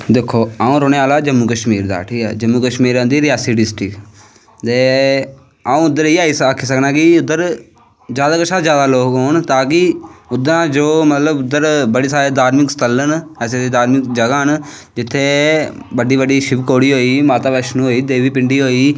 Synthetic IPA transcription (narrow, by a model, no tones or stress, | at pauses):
d̪eːkʰːoːaːũːɾoːneːaːlaːd͡ʒəmːuːkəʃmiːɾd̪a̰ːʈʰiːkɛ̰ːd͡ʒəmːuːkəʃmiːɾə̃nd̪iːɾɪjaːsiːɖɪsʈɪk | t̪eː | aũːʊd̪ːəɾeːaːiːsakʰːiːsəknãːkɪʊd̪ːəɾ | d͡ʒjaːd̪aːkəʃʰaːd͡ʒjaːd̪aːloːkɦoːɳt̪ãːkɪʊd̪ːəɾãːd͡ʒoːmət̪ləbʊd̪ːəɾbəɽeːsaːɾeːd̪aːɾmɪkst̪ələnɛːseːd̪eːd̪aːɾmɪkd͡ʒəɡaːɦən | d͡ʒɪt̪ʰːeː | bəɖiːbəɖiːʃɪbkoːɽiːɦoːiːmaːt̪aːʋɛːʃnũːɦoːiːd̪eːʋiːpɪɳɖiːɦoːiː